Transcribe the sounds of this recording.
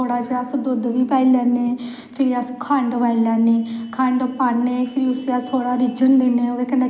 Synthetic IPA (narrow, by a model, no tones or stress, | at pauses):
oːɽaːd͡ʒəsd̪ʊd̪ʋiːpaːiːlɛːneː | pʰɪɾiːəskʰə̃ɳɖʋaːilɛːneːkʰə̃ɳɖpaːneːpʰɪɾiʊseːat̪ʰoːɽaːɾɪd͡ʒənd̪eːnẽːoːd̪eːkənːeː